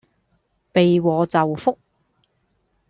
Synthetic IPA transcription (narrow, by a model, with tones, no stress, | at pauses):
pe˨jwɔː˨˧t͡sɐ˨wfʊ˥k̚